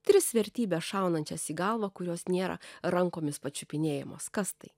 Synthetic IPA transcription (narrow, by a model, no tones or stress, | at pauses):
t̪ʲɾʲɪsʋʲɛɾʲt̪ʲiːbʲɛːsʃɑˑʊnɐnʲt͡ʃʲɛsiːɡɐlˠʋɐkʊɾʲoːsnʲeːɾɐ̰ɾɐŋkoːmʲɪspɐt͡ʃʲʊpʲɪnʲeːjɛmoːskɐst̪ɐɪ